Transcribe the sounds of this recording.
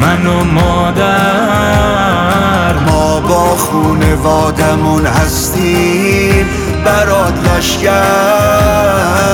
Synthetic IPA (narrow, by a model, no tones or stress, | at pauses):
manomɔːd̪æ | ɾmɔːbɔːχunevɔːd̪amunhast̪iː | m | bæɾɔːd̪læʃɡa